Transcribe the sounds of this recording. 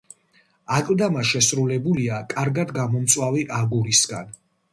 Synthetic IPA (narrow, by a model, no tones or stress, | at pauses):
akʼlˠd̪amaʃɛsɾulɛbuliakʼaɾɡad̪ɡamɔmt̪sʼwaviʔaɡuɾisɡan